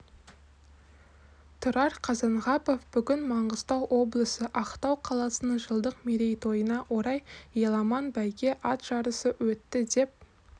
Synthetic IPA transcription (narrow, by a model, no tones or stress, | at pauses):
t̪ʰʊɾɑɾqʰɑzɑnʁɑpo̞fb̥ʏɡʲɪnmɑɴɢəz̥t̪ɑwʔo̞blˠəsəʔɑqt̪ɑwqʰɑlˠɑsənəɴʒəlˠd̪əqmeɾe̞jt̪ʰo̞jənɑʔwo̞ɾɑjjelˠɑmɑnbæjɡʲe̞ʔɑt̪ʒ̥ɑɾəsəwɵt̪ːɪd̪e̞p̚